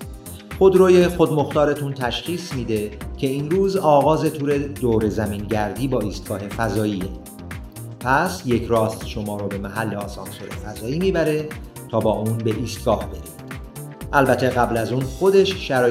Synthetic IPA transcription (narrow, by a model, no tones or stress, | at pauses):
xo̞d̪ɾoːjexod̪mo̞xt̪ɒːɾet̪ʰunt̪ʰæʃχiːsmiːd̪e̞cʰe̞iːnɾuːzɒːɣɒːze̞t̪ʰuːɾe̞d̪oːɾe̞zæmiːnɟæɾd̪iːbɒːiːst̪̚ɡ̥ɒːɦe̞fæzɒːiːe | pʰæsje̞cʰɾɒːst̪ʃo̞mɒːɾobe̞mæɦælːeɒːsɒ̰ːnsoɾe̞̰fæzɒːjiːmiːbæɾe̞ | t̪ʰɒːbɒːʔuːnbe̞ʔiːst̪̚ɡ̥ɒːhbe̞ɾid̪̥ | ʔælbæt̪ʰe̞ɣæblæzuːnxo̞d̪e̞ʃʃæɾɒː